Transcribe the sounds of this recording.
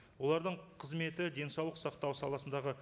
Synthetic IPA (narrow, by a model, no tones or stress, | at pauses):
wo̞lˠɑɾd̪əɴqʰəzme̞t̪ɪd̪e̞nsɑwlˠəqsɑq̚t̪ɑwsɑlˠɑsənd̪ɑʁə